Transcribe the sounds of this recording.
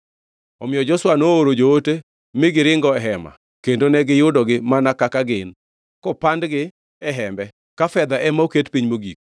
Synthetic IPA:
ɔmɪjɔd͡ʒɔswanooɾod͡ʒoote | mɪɡɪɾɪŋɡɔɛɦɛma̰ | kendonɛɡɪjʊdɔɡɪmanakakaɡɪn | kɔpandɡɪ | ɛɦɛmbɛ | kafɛd̪aʔɛmaoketpiɲmoɡik̚

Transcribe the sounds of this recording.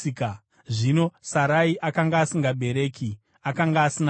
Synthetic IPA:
ka | ʐino̞saɾaiʔakaŋɡaːsiŋɡabʱe̞ɾe̞ːkʰi | akaŋɡaːsina

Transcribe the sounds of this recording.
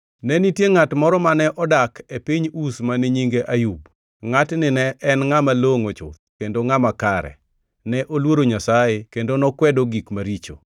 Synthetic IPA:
nɛnitjeŋatmɔɾɔmanɛʔɔdakʰepiɲusmaniɲiŋɡeʔajub | ŋatnɪnɛʔɛnŋamaloŋot͡ʃʊ̰t̪̚kendoŋamakaɾɛ̰ | nɛʔolwoɾoɲasajekendonɔkwɛdoɡikmaɾit͡ʃo̰

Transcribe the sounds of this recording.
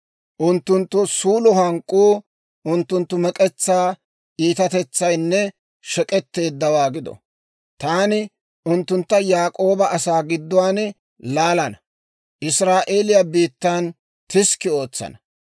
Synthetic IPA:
ʔʊnt̪ːʊnt̪ːʊsuːlʊhɐŋkʼːuː | ʔʊnt̪ːʊnt̪ːʊmɛkʼɛt͡sːaː | ʔiːt̪ɐt̪ɛt͡sːɐjnːɛ | ʃɛkʼɛt̪ːe̞ːd̪ːɐwaːɡɪd̪ɔ̰ | t̪aːnɪ | ʔʊnt̪ːʊnt̪ːɐjaːkʼo̞ːbɐɐsaːɡɪd̪ːʊwaːn | laːlɐnɐ | ʔɪsɾaːʔe̞ːlɪjabiːt̪ːaːn | t̪ɪskːɪo̞ːt͡sːɐ̰nɐ

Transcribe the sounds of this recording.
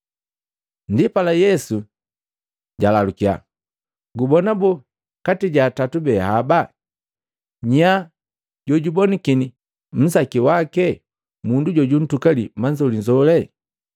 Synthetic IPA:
ndipalajɛsu | ɟalalukia̰ | ɡubɔnabɔ | katiɟaːtatubɛhaba | ɲa | ɟɔɟubɔnikini | m̩sakiwakɛ | munduɟɔɟun̩tukalimaɲd͡ʒɔliɲd͡ʒɔlɛ

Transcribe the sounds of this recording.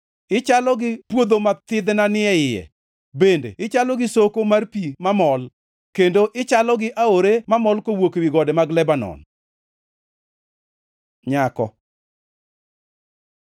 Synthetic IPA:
ɪt͡ʃalɔɡɪpwod̪omat̪ɪd̪nanɪɛɪjɛ̰ | bendḛɪt͡ʃalɔɡɪsokomarpimamɔl | kendoʔɪt͡ʃalɔɡɪʔaoɾemamɔlkowokwiɡɔdɛmaɡlɛbanɔ̰n | ɲakɔ̰

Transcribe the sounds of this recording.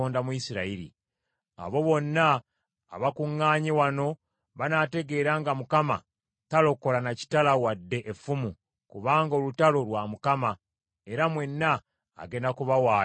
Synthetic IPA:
oːndamuisiɾaiɾḭ | a̰βo̞βo̞nːa̰ː | βakuŋːaːɲewano̞ | βanaːte̞ɡe̞ɾaŋɡamukama̰ | talo̞ko̞lanaci̥talawadːe̞ʔefumu | kuβaːŋɡo̞lutalo̞lwamukama | e̞ɾamwe̞nːa̰ː | ɡe̞ndakuβawaː

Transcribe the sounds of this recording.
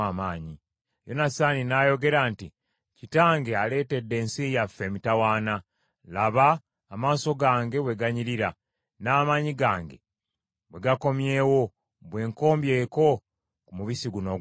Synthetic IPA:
amaːɲi | jo̞nasaninajo̞ɡe̞ɾaːnti | citaːŋɡe̞ale̞ːte̞dːe̞ːnsijafe̞mitawaːna | laβaː | maːso̞ɡaːŋɡe̞we̞ɡaɲiɾiɾa | naːmaːɲiɡaːŋɡe̞̰ | we̞ɡako̞mje̞ːwo̞ | βwe̞ːŋko̞ːmbjeːko̞ | kumuβisiɡuno̞

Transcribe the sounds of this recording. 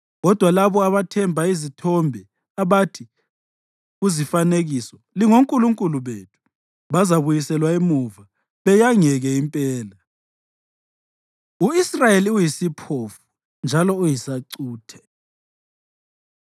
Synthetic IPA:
ɣɔd̥ʱwalaβɔaβatʰɛmbʱaizitʰɔmbʱɛ | aβatʰi | ɣuzifaneɣisɔ | liŋoŋkʼuluŋkʼuluβetʰu̥ | βazaβujisɛlwaimuva | βɛjaŋɛɣɛimpʼɛːla | uisrajeliujisipʰofu̥ | nd͡ʒʱalɔujisaǀuːtʰɛ̥

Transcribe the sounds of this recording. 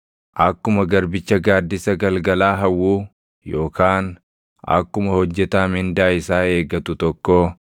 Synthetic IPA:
ʔɐkːʊmɐɡɐɾbɪt͡ʃːɐɡaːd̪ːɪsɐɡɐlɡɐlaːɦɐwːuː | jo̞ːkʰaːn | ɐ̰kːʊmɐhɔd͡ʒːɛt̪aːmɪnd̪aːɪsaːe̞ːɡɐt̪ʊt̪ɔkːo

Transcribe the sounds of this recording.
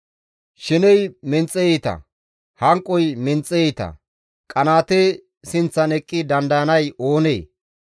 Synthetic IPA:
ʃɪnɛjmɪnt͡sʼːɛjet̪ɐ̰ | hɐŋkʼːɔjmɪnt͡sʼːɛjɛt̪ɐ̰ | kʼɐnaːt̪e | sɪnt͡sːɐnɛkʼːɪd̪ɐnd̪ɐɐnɐjo̞ːnḛː

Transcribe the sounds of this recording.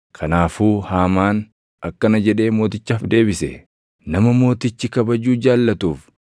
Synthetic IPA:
kʰɐnaːfuːhaːmaːn | ɐkːɐnɐd͡ʒɛᶑe̞ːmo̞ːt̪ɪt͡ʃːaːfd̪e̞ːbɪsɛ̰ | nɐmɐmo̞ːt̪ɪt͡ʃːɪkɐbɐd͡ʒuːd͡ʒaːlːɐt̪uːf

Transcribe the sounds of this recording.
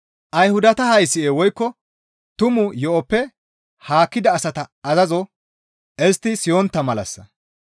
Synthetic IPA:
ʔɐjhʊd̪ɐt̪ɐhɐjsːɪeːwɔjkːɔ | t̪ʊmʊjɔʔɔpːɛ | haːkːɪd̪ɐːsɐt̪ɐɐzɐzɔ | ʔɛst̪ːɪsɪjɔnt̪ːɐmɐlɐ̰sːɐ̰

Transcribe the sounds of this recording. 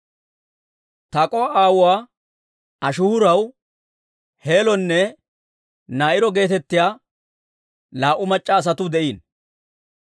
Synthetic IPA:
t̪ɐkʼɔaaːwʊwaː | ɐʃʊhʊɾɐw | he̞ːlɔnːɛ | naːʔɪɾɔɡe̞ːt̪ɛt̪ːɪjaː | laːʔʊmɐt͡ʃʼːaːs̬ɐt̪ʊd̪ɛʔiːn

